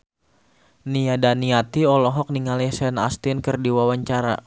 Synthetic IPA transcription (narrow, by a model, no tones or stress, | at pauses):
niadaniat̪iɔlɔɦɔk̚niŋalisɛna̰st̪ɪnkɨrdiwawaɲt͡ʃaɾa̰